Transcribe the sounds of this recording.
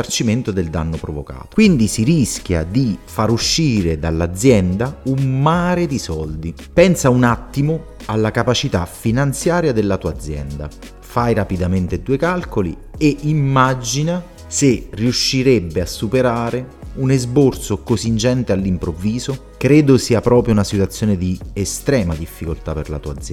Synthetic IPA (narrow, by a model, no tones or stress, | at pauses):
art͡ʃiment̪ʊd̪eld̪a̰nːopɾovo̰ka̰ːt̪kwind̪isiɾisk̟ja̰d̪ifaɾuʃːiːɾed̪alːad̪zːjɛnd̪aumːaːɾed̪isɔld̪i | pɛnsaunat̪ːimʊ | alːakapat͡ʃit̪a̰finant̪sjaːɾjad̪elːat̪uːad̪zːjɛ̰nd̪a̰ | fajɾapid̪ament̪ed̪uːekalkolḭ | eimːad͡ʒina | seriuʃːiɾebːeasːupeɾaːɾe | unezbort̪sokosind͡ʒɛnt̪ealːimpɾovːiːzo | kɾeːd̪osiːapɾɔːpɾjounasit̪wat̪sːjoːned̪iest̪ɾɛːmad̪ifːikolt̪aperla̰t̪uːa̰d̪zː